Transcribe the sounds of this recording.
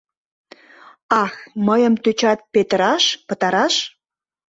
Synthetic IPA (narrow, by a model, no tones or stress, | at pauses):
ɑxməjəmt̪yt͡ɕɑt̪̚pet̪əɾɑʃpət̪ɑɾɑʃ